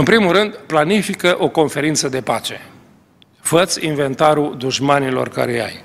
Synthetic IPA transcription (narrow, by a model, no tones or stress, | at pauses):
ɨnpɾimulɨnd̪planifikəʔo̞ko̞nfe̞ɾint̪səd̪e̞pat͡ʃe̞ | fət̪sʲinve̞nt̪aɾud̪uʒmanilo̰rka̰ɾeja̰j